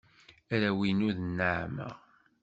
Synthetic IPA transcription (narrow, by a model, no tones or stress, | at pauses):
æɾæwinuðnːəʕmə̰ʁ